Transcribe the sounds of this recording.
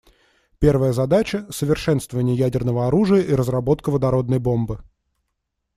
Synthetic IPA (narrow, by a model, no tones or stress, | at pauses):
pʲe̞rvəjəzɐd̪at͡ɕəsəvʲɪrʂɛnst̪vəvənʲɪjəjædʲɪrnəvəɐɾuʐɨjəʔiɾəzrɐbo̞t̪kəvəd̪ɐɾo̞d̪nəjbo̞mbɨ